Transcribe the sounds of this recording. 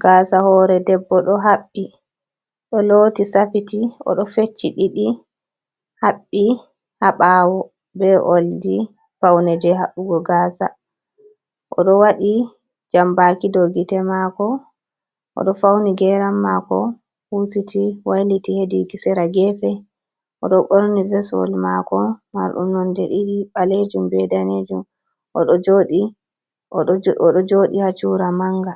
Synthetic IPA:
ɡ̥aːsahɔɾɛdɛbːɔɗɔɦaɓːi | ɗɔloːtisafitiʔɔ̰ɗɔfet͡ʃːiɗiɗi | haɓːi | haɓawɔ | bɛʔoldi | fawnɛd͡ʒɛɦaɓuɡɔɡaːsa̰ | ʔɔɗɔwaɗi | d͡ʒambakidoɡitɛmaːkɔ | ʔɔ̰ɗɔfawniɡɛɾamːakɔ | husitʰiwajlitihedikisɛɾaɡɛfɛ | ʔɔɗɔɓɔɾnivɛsɔ̰lmakɔma̰ɾɗṵmnɔndɛʔiɗiɓaled͡ʒumbɛdaned͡ʒum | ʔɔ̰ɗɔd͡ʒoɗi | ɔɗɔd͡ʒoɗihat͡ʃuɾamaŋɡa

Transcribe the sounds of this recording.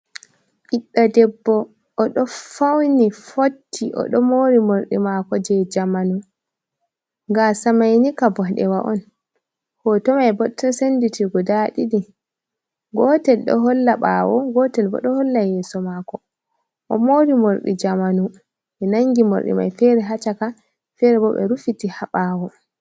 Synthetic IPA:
ʔiɗːadɛbːɔ | ʔːɗɔfawnifotʰːiʔɔ̰ɗɔmoːɾimoɾɗḭmakɔd͡ʒɛd͡ʒamanu | ŋɡasamajnikabɔɗɛ̰waʔɔ̰n | hɔtɔmajbɔtːɔsenditiɡɔdaɗidi | ɡɔːtɛlɗɔ̰ɦɔlːaɓa̰wɔɡɔtɛlbɔ̰ɗɔhɔlːajɛːsɔmakɔ | ʔɔmoɾimoɾɗḭd͡ʒamanu | ɛnaŋɡimo̰ɾɗḭma̰jfɛɾɛɦat͡ʃaka | fɛɾɛbɔɓɛ̰ɾufitihaɓaːwɔ

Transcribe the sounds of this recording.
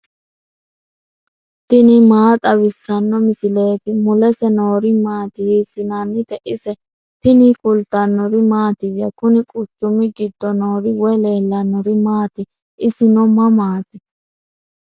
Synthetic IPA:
t̪ɪnɪmaːt̪ʼɐβɪsːɐnːɔmɪsɪle̞ːt̪ɪmʊlɛsɛno̞ːɾɪmaːt̪ɪhiːsɪnanːɪt̪ɛʔɪsɛ | t̪ɪnɪkʼʊlt̪ɐnːɔɾɪmaːt̪ɪjɐkʊnɪkʼʊt͡ʃːʊmɪɡɪd̪ːɔno̞ːɾɪwɛle̞ːlːɐnːɔɾɪmaːt̪ɪ | ʔɪsɪnɔmɐmaːt̪ɪ

